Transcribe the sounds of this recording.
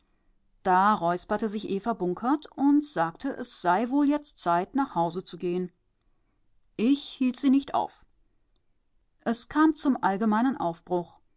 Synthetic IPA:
d̥aːʁɔʏspɐtəzɪçʔeːfɐbʊŋkʰɐtʊntz̥aːktʰəʔɛsz̥aɪvoːljɛt͡stt͡saɪtnaːχhaʊzət͡suɡeːən | ʔɪçhiːltz̥iːnɪçtʔa̰ʊf | ʔɛskʰaːmt͡sʊmʔalɡəmaɪnənʔa̰ʊfb̥ʁʊx

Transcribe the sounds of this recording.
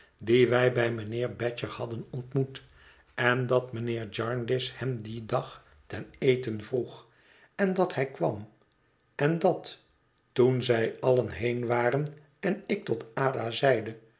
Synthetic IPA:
diʋɛjbɛjmənɪːɹbɛt͡ʃəhɑdənɔntmut | ɛndɑtmənɪːɹd͡ʒɑɹndɪshɛmdidɑχ | tɛnejtənvruχ | ɛndɑthɛjkʋɑ̰m | ɛndɑt | tunzɛjɑlənɦejnʋaːrən | ɛnɪk̚tɔtaːdazɛjdə

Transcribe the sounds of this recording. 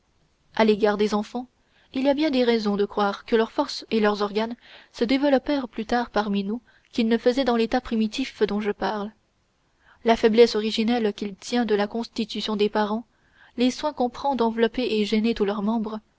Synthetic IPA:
aleɡaʁd̪ezɑ̃fɑ̃ | iliabjɛ̃d̪eʁɛzɔ̃d̪əkχwaʁkəlœʁfɔʁselœʁzɔʁɡansəd̪evəlɔpɛʁplyt̪aʁpaʁminu | kʲilnəfəzɛd̪ɑ̃let̪apχimit̪ifd̪ɔ̃ʒəpaʁl | lafɛblɛsɔʁiʒinɛlkʲilt̪jɛ̃d̪əlakɔ̃st̪it̪ysjɔ̃d̪epaʁɑ̃ | leswɛ̃kɔ̃pχɑ̃d̪ʁɑ̃vlɔpeʔeʒenet̪ulœʁmɑ̃bʁ

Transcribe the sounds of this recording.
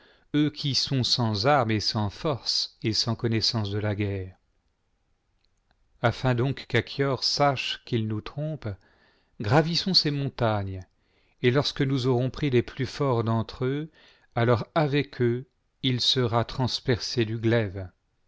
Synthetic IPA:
økʲʰisɔ̃sɑ̃zaʁmesɑ̃fɔʁsesɑ̃kɔnɛsɑ̃s̬d̪əlaɡɛːʁ | afɛ̃d̪ɔ̃kːakʰjɔʁsaʃkilnut̪χɔ̃p | ɡʁavisɔ̃semɔ̃t̪aɲ | elɔʁskənuzɔʁɔ̃pχileplyfɔʁd̪ɑ̃t̪χø | alɔʁavɛkʰø | ilsəʁat̪χɑ̃spɛʁsed̪yɡlɛv

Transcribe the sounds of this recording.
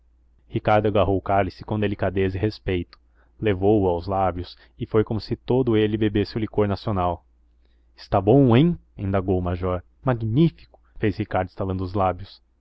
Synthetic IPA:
hikaɾd̪ʊaɡaɦowʊkalisɪ̥kõd̪elikad̪ezɪɦespejt̪ʊ̥ | levowʊawzlabjʊs | ɪfojkõmʊsɪt̪od̪ʊelɪbebesɪʊlikoɾnasionaw | ɪ̥st̪abõw̃ẽj̃ẽnd̪aɡowmaʒɔɾ | maɡnifi̥kʊ̥fezhikaɾd̪ʊɪst̪alɐ̃nd̪ʊʊzlabjʊs

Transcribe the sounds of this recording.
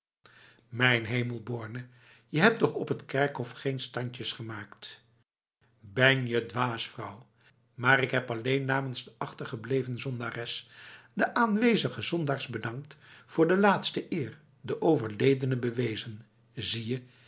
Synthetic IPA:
mɛjnɦejməlˠbʊːɹnə | jəɦɛp̚tɔχɔpɦətkɛɹkɦɔfχejnstɑɲcəsχəmaːkt | bɛnjədʋaːsfrʌw | maːɾɪkɦɛpɑlejnːaːmənzdəʔɑχtəɹχəblejvənzɔndaːrɛsdəʔaːnʋejzəχəzɔndaːɹzbədɑŋk̚tfʊːɹdəlaːtstəʔɪːɹ | dəʔowvəɹlejdənəbəʋejzən | zijə

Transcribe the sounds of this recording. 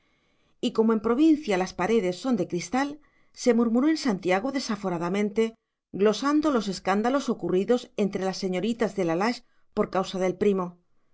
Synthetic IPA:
iko̞moempɾo̞β̞in̟θjalaspaɾe̞ðe̞sːo̞nd̪e̞kɾist̪al | se̞muɾmuɾo̞e̞nsant̪jaɣ̞oðe̞safo̞ɾaðamẽnt̪e̞ | ɡlo̞sand̪o̞lo̞s̬e̞skand̪alo̞so̞kuriðo̞se̞nt̪ɾe̞lasːe̞ɲo̞ɾit̪azðe̞lalaʃ | po̞ɾkawsaðe̞lpɾimo̞

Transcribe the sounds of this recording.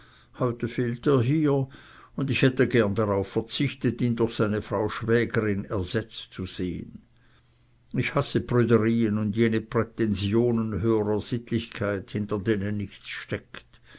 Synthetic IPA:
hɔʏtəfeːlteːɐɦiːɐ | ʊndɪçhɛtəɡɛɐndaʁaʊfɛɐt͡sɪçtətiːndʊɐxsaɪnəfʁ̥aʊʃv̥ɛːɡəʁɪnɛɐz̥ɛt͡st͡suz̥eːə̰n | ɪçhasəpʁyːdəʁiːənʊndjeːnəpʁ̥ɛtɛnzjoːnənɦøːəʁəz̥ɪtlɪçkʰaɪthɪntɐdeːneːnnɪçt͡sʃtɛkt

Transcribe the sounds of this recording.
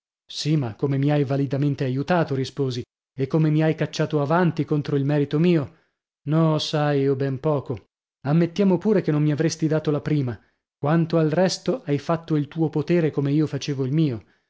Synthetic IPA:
simakːomemiajvalid̪ament̪eajut̪aːt̪oɾispoːzi | ekːomemiajkat͡ʃːaːt̪oavant̪ikont̪ɾoilmɛːɾit̪omiːo | nɔsajiobɛmpɔːko | amːet̪ːjaːmopuːɾekenːomːiavɾest̪id̪aːt̪olapɾiːma | kwant̪oalrɛst̪oʔajfat̪ːoilt̪uːopot̪eːɾekomeiːofat͡ʃeːvoilmiːo

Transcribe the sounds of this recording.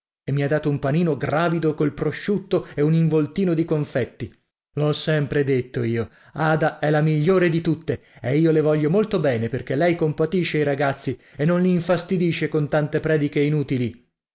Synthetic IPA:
emːiad̪ːaːt̪oumpaniːnoɡraːvid̪okolpɾoʃːut̪ːoeuniɱvolt̪iːnod̪ikoɱfɛt̪ːi | loɔsːɛmpɾed̪et̪ːoiːo | aːd̪aɛlamiʎːoːɾed̪it̪ut̪ːeeiːolevɔʎːomolt̪obɛːneperk̟elɛjkompat̪iʃːeiɾaɡat̪sːienːonliːɱfast̪id̪iʃekont̪ant̪epɾɛːd̪ik̟einuːt̪ili

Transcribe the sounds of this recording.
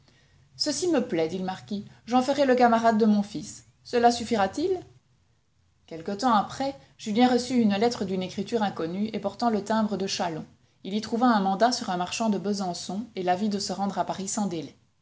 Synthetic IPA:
səsiməplɛd̪iləmaʁkʲiʒɑ̃fəʁɛləkamaʁad̪̚ːəmɔ̃fisː | əlasyfiʁat̪il | kʲɛlkət̪ɑ̃apχɛ | ʒyljɛ̃ʁəsyynlɛt̪χəd̪ynekχit̪yʁɛ̃kɔnyepɔʁt̪ɑ̃lət̪ɛ̃bʁəd̪əʃalɔ̰̃ | ilit̪χuvaɛ̃mɑ̃d̪asyʁɛ̃maʁʃɑ̃d̪əbəzɑ̃sɔ̃elavid̪əsəʁɑ̃d̪ʁapaʁisɑ̃d̪elɛ

